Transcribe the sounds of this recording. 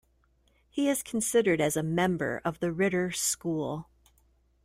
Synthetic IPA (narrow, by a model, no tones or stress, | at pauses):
hiɪz̥kʰn̩sɪɾə˞ɾɨzɨmɛ̃mbə̰˞ʔʌvðɨɹɪɾə˞skulˠ